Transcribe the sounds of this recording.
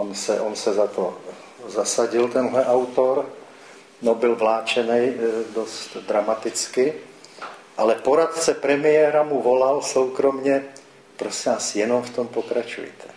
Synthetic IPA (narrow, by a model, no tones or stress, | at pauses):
onsɛʔonsɛzat̪o | zasaɟɪlt̪ɛnɦlɛʔawt̪oɾ | nobɪlvlaːt͡ʃɛnɛjdost̪d̪ɾamat̪ɪt͡skɪ | ʔalɛpoɾat̪t͡sɛpɾɛmɪjɛɾamuvolalsowkɾomɲɛ | pɾosivaːsjɛnomft̪ompokɾat͡ʃṵjt̪ɛ̥